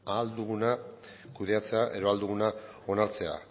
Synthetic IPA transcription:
ald̪uɣ̞una | kuð̞e̞at͡se̞aʔe̞ðo̞ald̪uɣ̞una | o̞naɾt͡se̞a̰

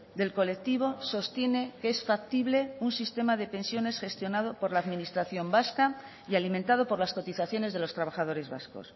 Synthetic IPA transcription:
d̪e̞lko̞le̞k̚t̪iβ̞o̞so̞st̪je̞ne̞keesfak̚t̪iβle̞unsist̪e̞maðe̞pe̞nsjo̞ne̞sxe̞st̪jo̞nað̞o̞po̞ɾlaːðminist̪ɾaθjo̞mbaska | ialimẽnt̪að̞o̞po̞ɾlasko̞t̪iθaθjo̞ne̞zðelo̞st̪ɾaβ̞aχað̞o̞ɾe̞zβa̰sko̞̰s

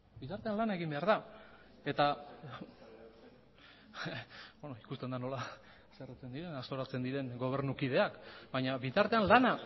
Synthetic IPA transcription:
bit̪aɾt̪e̞anlanae̞ɣ̞imbe̞aɾða | e̞t̪a | benoikust̪e̞nd̪ano̞la | seret͡se̞nd̪iɾe̞nast̪o̞ɾat͡se̞nd̪iɾe̞ŋɡo̞β̞e̞ɾnukið̞e̞akbajɲaβit̪aɾt̪e̞anlana

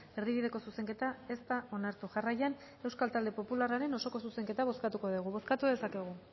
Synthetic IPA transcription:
e̞ɾðiβið̞e̞ko̞suse̞ŋke̞t̪ae̞st̪aʔo̞naɾt̪uʝarajan | e̞wskalt̪ald̪epo̞pularaɾe̞no̞so̞ko̞suse̞ŋke̞t̪aβ̞o̞skat̪uko̞ðiɣ̞uβo̞skat̪uðe̞sake̞ɣ̞u

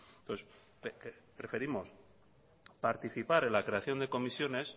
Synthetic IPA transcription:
oθes | pkpɾe̞fe̞ɾimo̞s | paɾt̪iθipaɾe̞nlakɾe̞aθjo̞nd̪e̞ko̞misjo̞nes

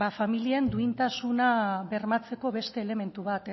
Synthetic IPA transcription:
afamiliend̪uint̪asunaβe̞rmat͡se̞ko̞βe̞st̪e̞ːle̞me̞nt̪uβat̪

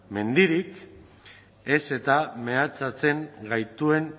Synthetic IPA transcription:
me̞nd̪iɾik | e̞se̞t̪ame̞at͡sat͡se̞ŋɡajt̪ue̞n

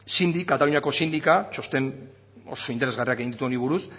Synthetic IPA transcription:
sind̪ikːat̪aluɲako̞sind̪ikat͡ʃo̞st̪e̞n | o̞̰so̞int̪ee̞zɣariake̞ɣind̪it̪uo̞niβ̞uɾus

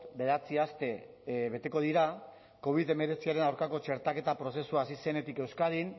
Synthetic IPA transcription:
t̪be̞ɾat͡siast̪e̞ | βe̞t̪e̞ko̞ð̞iɾa | ko̞β̞iðe̞me̞ɾe̞t͡siaɾe̞nawɾkako̞t͡ʃe̞ɾt̪ake̞t̪apɾo̞se̞suasise̞ne̞t̪ike̞wskaɾin

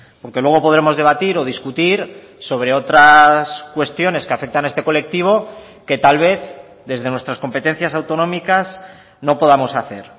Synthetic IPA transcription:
po̞ɾke̞lwe̞ɣ̞o̞po̞ð̞ɾe̞mo̞zðe̞β̞at̪iɾo̞ð̞iskut̪iɾ | so̞β̞ɾe̞o̞t̪ɾaskwe̞st̪jo̞ne̞ske̞afe̞k̚t̪anaest̪e̞ko̞le̞k̚t̪iβ̞o̞ | ke̞t̪alβ̞e̞θ | ðe̞zðe̞nwe̞st̪ɾasko̞mpe̞t̪e̞n̟θjasawt̪o̞nõ̞mikas | no̞po̞ðamo̞saθe̞ɾ

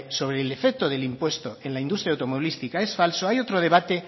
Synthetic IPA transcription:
so̞βɾeːlefek̚t̪oðe̞limpwe̞st̪oe̞nlaind̪ust̪ɾjawt̪omoβilist̪ikaesfalsoajo̞t̪ɾoð̞e̞β̞at̪e̞

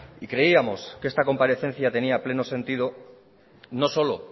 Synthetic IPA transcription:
ikɾe̞iamo̞skee̞st̪ako̞mpaɾe̞θe̞n̟θjat̪e̞niaple̞no̞sẽ̞nt̪ið̞o̞ | no̞so̞lo̞

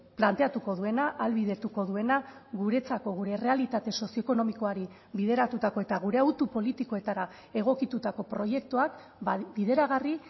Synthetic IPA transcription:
plant̪e̞at̪uko̞ðue̞naʔːlβiðe̞t̪uko̞ðue̞naɣuɾe̞t͡sako̞ɣ̞uɾe̞re̞alit̪at̪e̞so̞sio̞eko̞no̞miko̞aɾi | βiðe̞ɾat̪ut̪ako̞e̞t̪aɣ̞uɾe̞awt̪upo̞lit̪ikoe̞t̪aɾa | e̞ɣ̞o̞kit̪ut̪ako̞pɾo̞je̞k̚t̪uak | biðe̞ɾaɣari

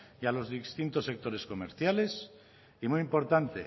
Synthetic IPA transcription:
jalo̞zðist̪int̪osːe̞k̚t̪o̞ɾe̞sko̞mḛɾθjale̞s | imujimpo̞ɾt̪ant̪e̞̰

